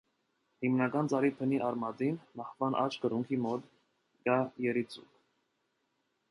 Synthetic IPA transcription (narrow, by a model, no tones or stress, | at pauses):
himnɑɡɑnt͡sɑɾipʰəniʔɑɾmɑd̪inmɑhvɑnʔɑ̰t͡ʃʰkəɾuŋkʰimɔt̪ | ɡ̥ɑjɛɾit͡sṵk